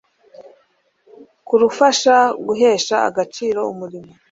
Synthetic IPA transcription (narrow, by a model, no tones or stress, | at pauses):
kuɾufaʃaɡuɦe̞ːʃa̰ːɡat͡ʃiːɾo̞umuɾimo